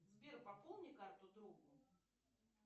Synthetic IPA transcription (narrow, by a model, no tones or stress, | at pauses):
zbʲerpɐpolˠnʲɪkart̪ʊd̪ɾuɡʊ